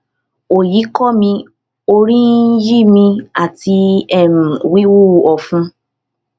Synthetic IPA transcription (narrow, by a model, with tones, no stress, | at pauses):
o˨ji˨˦kɔ˦mĩ˧ | o˧ɾĩ˦ji˦mĩ˧a˨ti˧ɛ˦˨nũ˨wi˦wu˦˨ɔ˨fũ˧˦